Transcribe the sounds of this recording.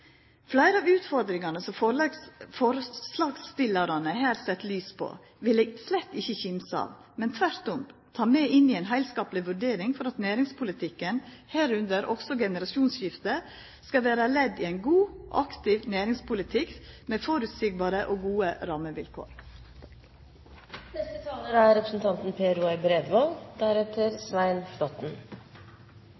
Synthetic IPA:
flæɪɾəɑːʋʉːt̪fɔɾd̪ɾɪŋɑnəsɔm | fɔɾslɑːɡst̪ɪlɑɾɑnəɦæːɾsɛt̪ːlyːspʰo̰ | ʋɪlɛslɛt̪ːɪçːəçɪmsɑ̰ːʋ | mɛnt̪ʰʋæɾt̪ʊmt̪ʰɑːmeːʔɪnːiɛɪnɦæɪlskɑːplɪʋʉɖeːɾɪŋfɔɾɑt̪næːɾɪŋspʰʊlɪt̪ʰɪkːənhæːɾʉnd̪əɾɔksɔɡɛnəɾɑʃuːnsɕɪft̪ə | skɑʋæːɾəlɛd̪iːæɪnɡuːʔɑkt̪ɪʋnæːɾɪŋspʊlɪt̪ʰɪkmeːfoːɾʉːt̪siːɡ̚bɑːɾəʔoːɡuːəɾɑːməʋɪ̰lkʰo̰ːɾ | nɛst̪ət̪ʰɑːləɾæɾɛpɾəsn̩t̪ʰɑnt̪n̩pʰeːɾuɛɪbɾɛd̪ʋold̪æɾɛt̪ʰəɾsʋæɪnflɔt̪n̩

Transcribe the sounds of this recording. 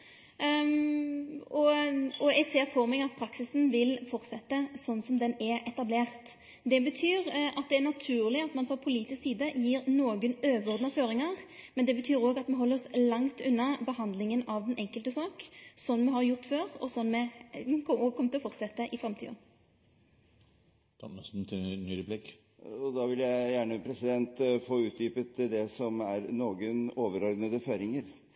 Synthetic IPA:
ɔɔɛɪseːɾfɔɾmɛɡɑt̪̚pʰɾɑksɪsn̩ʋɪlfɔʁt̪sɛt̪ːəsɔnːsɔmd̪ɛnɛɾɛt̪ɑbleːʁt̪ | d̪ɛbət̪ʰyːɾʔɑt̪̚d̪ɛænɑt̪ʰʉːʁlɪɑt̪mɑnfɾɑpʰʊliːt̪ɪsksiːd̪əjiːɾnoːɡənøːʋɾɔʁd̪nɑføːɾɪŋɑʁmɛnd̪ɛbət̪ʰyːɾoːɡɑt̪mɛɦɔlːəɾɔslɑŋt̪ʉnːɑbəhɑnd̪lɪŋənɑʋd̪ɛnʔɛŋkəlt̪əsɑːksɔnːmɛɦɑɾjʊʁt̪føːɾɔ̰sɔnːmɛkʰɔɔkʰɔmːət̪ɪlɔfɔʁt̪sɛt̪ːəʔɪfɾɛmt̪ʰḭd̪ɑ̰ | ɛsn̩t̪nyɾəblɪkː | ɔd̪ɑːʋɪljæɪjæːɳəpʰɾɛsɪd̪ɛnt̪foːʉːt̪̚d̪yːpət̪d̪ɛsɔmæɾnoːɡənoːʋəɾɔɾd̪nəd̪əføːɾɪŋəɾ

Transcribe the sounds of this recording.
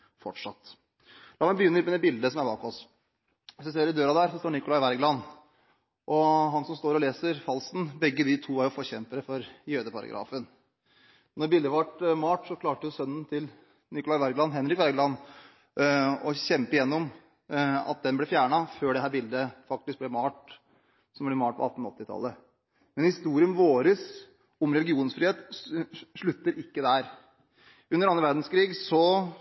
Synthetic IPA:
fɔʈʂɑt̪ː | lʔɑːmæbəjʏnːəɪmɛɛbɪld̪əsɔmæɾbɑːkɔs | sɛseːɾɪd̪øːɾɑd̪æɾsɔst̪oːɳɪkʊlɑɪʋæɾɡlɑn | ʔɔɦɑnsɔmst̪oːɾɔleːsəɾfɑlsnbɛɡːəd̪ɪt̪ʰuːæɾjʊfɔçɛmpəɾəfɔɾjøːd̪əpʰɑɾɑ̰ɡɾɑ̰ːfən | nɔɾbɪld̪əʋɑʈmɑːʈsɔkʰlɑːʈəjʊsœnːən̩t̪ʰɪl | nɪkʊlɑɪʋæɾɡlɑnɦɛnɾɪkʋæɾɡlɑn | ɔɕɛmpɪjɛnːɔm | ɑ̰t̪̚d̪ɛnblɛfjæːɳɑføːɖɛɦæːɾbɪld̪əfɑk̚t̪ɪsk̚blɛmɑːʈ | sɔmblɛmɑːʈpʰɔ̰ɑt̪ːn̩ɔ̰t̪ːɪt̪ʰɑ̰lːə | mɛnhɪst̪uːɾɪənʋoːɾəs | ɔmɾɛlɡɪuːnsfɾiːeːt̪ | ʂɭʉt̪ːəɾʔɪkːəd̪æɾ | ʉnːəɾɑnːəʋæɾɖn̩skʰɾiːɡsɔ

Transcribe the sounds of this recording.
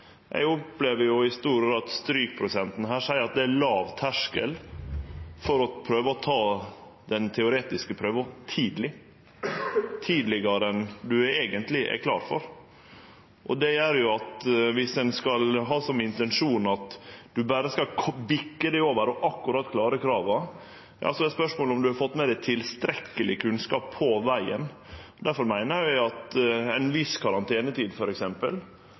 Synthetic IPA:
ʔæ̰ɪɡɔpleːʋəɾjʊɪst̪uːɾɡɾɑːd̪st̪ɾyːk̚pʰɾʊsɛnt̪nɦæːʂæɪəɾɑt̪̚d̪ɛælɑːʋt̪ʰæʂkə̰l | fɔɾɔpʰɾøːʋəɔt̪ʰɑː | d̪ɛnt̪ʰɛʊɾeːt̪ɪskəpʰɾøːʋət̪ʰiːd̪lɪ | t̪ʰiːd̪lɪɡɑɾəɛnd̪ʉeːɡənt̪lɪʔɛ̰kʰlɑ̰ːɾfɔ̰ɾ | ʔɔd̪ɛjæɾjʊɑt̪ʋɪsɛnskɑlɦɑːsɔmɪnt̪ɛnʂuːnɑt̪d̪ʉbæːɾəskɑkʰbɪkːəd̪æɪoːʋəɾɔʔɑkːʉɾɑt̪ːkʰlɑːɾəkʰɾɑːʋɑ | jɑ̰ːsɔɛspœʂmoːləɔmd̪ʉhɑɾfɔt̪ːmɛd̪æɪt̪ʰɪlst̪ɾɛkːəlʔɪkʰʉnskɑːpʰːɔʋæɪə̰n | d̪æɾfɔɾmæɪnəæɪɑt̪ɛɪnʋɪskʰɑɾɑnt̪ʰeːnət̪ʰiːd̪fɔɾɛksɛmpə̰l

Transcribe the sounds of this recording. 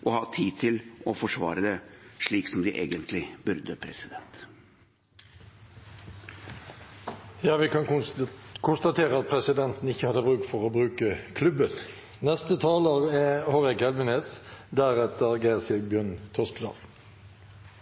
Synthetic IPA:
ʔɔhɑːt̪ʰiːt̪ʰɪlɔfɔʂʋɑ̰ːɾəd̪ɛʂɭiːksɔmd̪ɪʔḛːɡənt̪ʰlɪbʉɾd̪əpʰɾɛsɪd̪ɛnt̪ | jɑːʋɪkʰɑn | kʰʊnst̪ɑt̪ʰeːɾəɑt̪̚pʰɾɛsɪd̪ɛnt̪n̩ɪçːəhɑd̪əbʁʉːk̚t̪fɔʁoːbɾʉːkəkʰlʉbən | nɛst̪ət̪ʰɑːləʁɛhɔʁɛkɛlʋənesd̪æɾɛt̪əʁɡæɪʁəsɛɡbjœnt̪ʰɔskd̪ɑ̰ːl

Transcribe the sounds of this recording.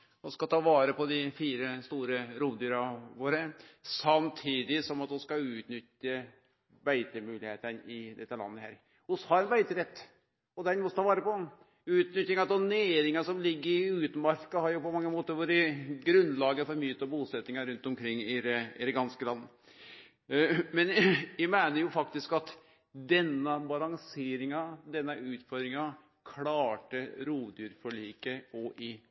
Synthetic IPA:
ɔskɑt̪ʰɑːʋɑːɾəpɔd̪ɪfiːɾəst̪uːɾəɾuːd̪yːɾɑʋoːɾəsɑmt̪ʰiːd̪ɪsɔmɑt̪ɔskɑʉːt̪nʏt̪ːə | bæɪt̪əmʉːlɪheːt̪ənɪd̪ɛt̪ːəlɑ̰nːəhæ̰ːɾ | hʊshɑɾɛnbæɪt̪əɾɛt̪ː | ɔd̪ɛnmɔt̪ʰɑːʋɑːɾəpɔ | ʉːt̪nʏt̪ːɪŋɑt̪ɔneːɾɪŋɑsɔmlɪɡːəɾɪʉːt̪əmɑɾkɑhɑɾjʊpɔmɑŋːəmoːt̪əɾʋʊɾɪɡɾʉnlɑːɡəfɔɾmyːt̪ɑbusɛt̪nɪŋɑɾʉnt̪ɔmkʰɾɪŋːɪɾɪ̰d̪ɛɡɑnskəlɑnː | mɛnjæmæɪnəɾjʊfɑk̚t̪ɪskɑt̪ | d̪ɛnːəbɑlɑŋseːɾɪŋɑd̪ɛnːəʔʉːt̪fɔɾdɾɪŋɑ | kʰlɑːʈəɾuːʋd̪yːɾfɔɭiːkəɔʔɪ

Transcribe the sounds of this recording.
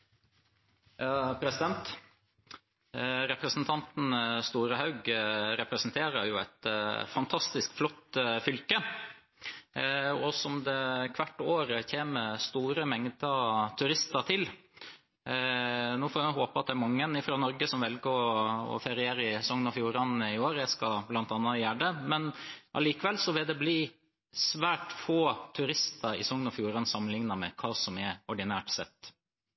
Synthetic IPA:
ɑpʰɾɛsɪd̪ɛnt̪ | ɾɛpɾəsn̩t̪ʰɑnt̪n̩st̪uːɾəhɑʉɡɾɛpɾəsn̩t̪ʰeːɾəɾjʊæ̰t̪fɑnt̪ʰɑst̪ɪskflɔt̪ːfʏlkə | ɔsɔmd̪ɛkʰʋæʈːoːɾəçeːməst̪uːɾəmɛŋd̪ət̪ʰʉɾɪst̪əɾt̪ʰɪl | nuːfoːɾɑɦoːpɑɑt̪̚d̪ɛæɾmɑŋːənɪfɾoːnɔɾɡəsɔmʋɛlɡəɔɔ̰fɛɾɪeːɾəɪsɔŋnɔfjuːɾɑnɪoːɾjæskɑblɑnt̪ɑnːɑjæːɖəmɛnʔɑ̰liːkəʋɛlːsɔʋɪld̪ɛbliː | sʋæːʈfoːt̪ʰʉɾɪst̪ʰɑɾɪsɔŋnɔfjuːɾɑnsɑmːənlɪŋnɑmɛ̰kʰɑːsɔmɛɔɖɪnæːʈsɛ̰t̪ː

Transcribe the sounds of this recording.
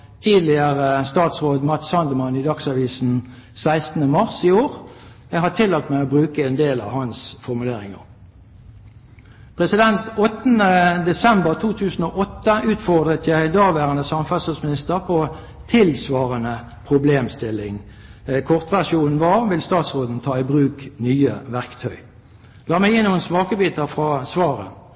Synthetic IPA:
t̪ʰiːd̪lɪəʁəst̪ɑːt̪sʁoːd̪mɑt̪sɑnd̪əmɑnɪd̪ɑksɑʋiːsn̩ | sæɪst̪n̩əmɑʁsioːʁ | ɛɦhɑʈ̪ʰɪlːɑt̪mæɪoːbʁʉːkəɛːnd̪eːlɑ̰ʋhɑnsfɔʁmʉleːʁɪŋə̰ʁ | pʰʁɛsɪd̪ɛnt̪ɔt̪nəd̪ɛsɛmbəʁt̪ʰuːt̪ʰʉːsn̩oːʔɔt̪ːəʉːt̪fɔʁd̪ʁət̪jæɪd̪ɑːʋæːʁənəsɑməfæsəsmɪnɪst̪əʁpʰo | t̪ʰɪlsʋɑːʁənə | pʰʁʊbleːmst̪ɪlːɪŋ | kʰɔʁt̪ʋæʁʂuːn̩ʋɑːʁʋɪlst̪ɑːt̪sʁoːd̪n̩t̪ʰɑːɪbʁʉːknyːəʋæʁkt̪ʰœʏ | lɑːmæɪɪnuːənsmɑːkəbiːt̪əfʁɑsʋɑːʁə̰

